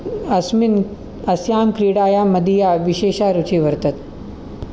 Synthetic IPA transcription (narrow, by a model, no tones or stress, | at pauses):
ɐsmin | ɐsjaːmkɾiːɽaːjaːmɐd̪ijaːʋiʃeːʃaːɾut͡ʃʰiːʋɐɾt̪ɐt̪